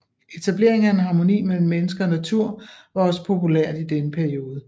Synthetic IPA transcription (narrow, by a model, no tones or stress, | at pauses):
e̝t͡sʰæb̥le̝ɐ̰e̝ŋæenɦɑ̈mo̝nḭːmel̰m̩ːenəsɡ̥ɐnæt͡sʰuɐ̰ʋɑ̈ɒ̽sə̥pʰo̝pʰuleɐ̰d̥id̥enəpʰæɐio̝ːð̞ˠə